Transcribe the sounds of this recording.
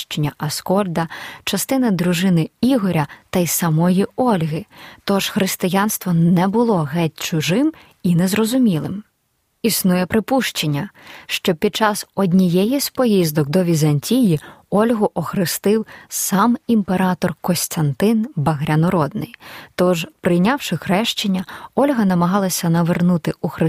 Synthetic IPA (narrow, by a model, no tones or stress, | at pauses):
ʃt͡ʃenʲːɐʔɐskɔlʲd̪ɐt͡ʃɐst̪ɪnɐd̪ɾʊʒɪnɪiɦɔɾʲɐt̪ɐjsɐmɔjiɔlʲɦɪt̪ɔʒ̥xɾɪst̪ɪjɑnst̪ʋɔnɛbʊlˠɔɦɛt̚ʲt͡ʃʊʒɪm | inɛzrɔzʊmʲilˠɪm | isnujɛpɾɪpuʃt͡ʃenʲːɐʃt͡ʃɔpʲid̪̚t͡ʃɑsɔdʲnʲijɛjispɔjizd̪ɔkd̪ɔʋʲizɐnʲtʲijiɔlʲɦʊʔɔxɾɪst̪ɪwsɑmimpeɾɑt̪ɔrkɔsʲt̪ʲɐnt̪ɪnbɐɦɾʲɐnɔɾɔd̪nɪ̰jt̪ɔʒpɾɪjnʲɑwʃɪxɾɛʃt͡ʃenʲːɐɔlʲɦɐnɐmɐɦɑlˠɐsʲɐnɐʋernut̪ɪuxɾɪ